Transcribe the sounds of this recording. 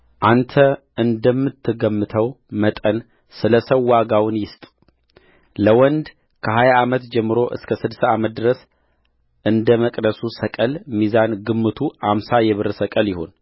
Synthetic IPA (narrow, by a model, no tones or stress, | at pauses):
ʔant̪ʰə | ɨnd̪əmːɨt̪ʰːɨɡəmːɨt̪ʰəwmət̪ʼən | sɨləsəwːaɡawnjɪst̪ʼ | ləwɔnd̪ | kʰəɦajaamət̪d͡ʒɛmːɨɾo̞ʔɨ̰skʰəsɨd̪saamət̪̚d̪ɨɾəs | ʔɨnd̪əməkʼd̪əsusəkʼəlmizanɡɨmːɨt̪ʰuamsajɛβɨɾsəkʼəljɪho̞̰n